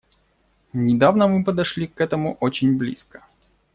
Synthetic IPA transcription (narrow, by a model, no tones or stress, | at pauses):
nʲɪd̪avnəmɨp̬əd̪ɐʂlʲikːɛt̪əmʊʔot͡ɕɪnʲblʲḭskə̥